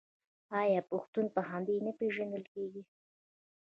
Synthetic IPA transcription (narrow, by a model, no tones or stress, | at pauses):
ɑjɑpʊxt̪unpəɦɑnd̪ejnəpeʒand̪əlkeɡi